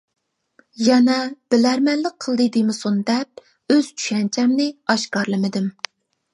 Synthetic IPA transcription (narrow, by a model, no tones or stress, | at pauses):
jɛnɛb̥ɪlæɾmɛnlɪk̚qʰəlˠd̪ɨd̪ɪmɪsund̪ɛp̚ | øz̥t͡ʃʰy̥ʃɛnt͡ʃʰɛmnɪɑʃkɑɾlˠɨmɪd̪ɪm